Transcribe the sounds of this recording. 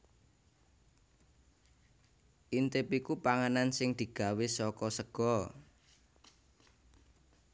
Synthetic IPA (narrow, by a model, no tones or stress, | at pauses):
ʔint̪epikupaŋənansɪŋd̪̥i̤ɡ̥a̤wesɔkɔsəɡ̥ɔ